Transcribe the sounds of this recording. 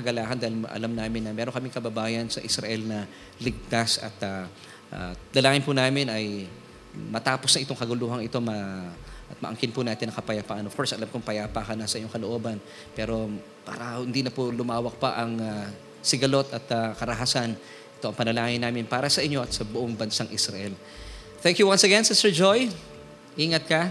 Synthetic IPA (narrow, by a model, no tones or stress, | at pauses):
ɐɡɐlaːhɐnd̪aːhɪlmʔɐ̰lamnaːmɪnːɐmɛːɾoŋkɐmɪŋkɐbɐbaːjɐnsɐʔɪsɾɐʔɛlnɐ | lɪɡ̚t̪asɐ̰t̪a | ʔa̰d̪ɐlaːŋɪnpʊnaːmɪnɐj | mɐt̪aːpo̞snɐʔɪt̪o̞ŋkɐɡʊluːɦɐŋɪt̪o̞mɐʔɐt̪̚mɐʔɐŋkɪnpʊnaːt̪ɪnːɐkɐpɐjapaʔɐnov̥ko̞ɹsʔɐlamkoŋpɐjaːpakɐnasɐʔɪɲːoŋkɐloʔo̞ːbɐn | pɛːɾo̞ | pa̰ːɾɐhʊnd̪inɐpʊlʊmaːwɐk̚pɐʔɐŋa | sɪɡɐlo̞t̪ɐt̪akɐɾɐɦaːsan | ʔɪ̥t̪o̞ʔɐŋpɐnɐlaːŋɪnaːmɪnpaːɾɐsɐʔɪɲːo̞ʔɐt̪sɐbʊʔoŋbɐnsaŋʔɪsɾɐ̰ʔɛl | θɛŋkjuwɐnsɐɡɛnsɛsɛɹd͡ʒoj | ʔiːŋɐt̪̚kɐ